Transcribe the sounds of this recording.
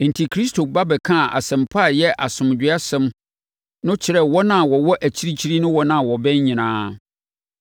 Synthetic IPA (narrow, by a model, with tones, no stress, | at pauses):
n̩˨tʰi˨kʰɾi˦stʰo˨ba˦bɛ˨kʰã˦˨ʔa̰˨sɛ̃˨mpʰa˦˨jɛ˦ʔa˨sʊ̃˨md͡ʑᶣɪ˦a˦sɛ̃˦m | nʊ̃˦t͡ɕʰɪ˨ɾɛ˦˨wɔ˦nã˦˨wɔ˨wɔ˦ʔæ˨t͡ɕʰi˦ɾi˦t͡ɕʰi˦ɾi˦nʊ̃˦wɔ˦nã˦˨wɔ˨bɛ˦ɲ˦ɲĩ˨nãː˦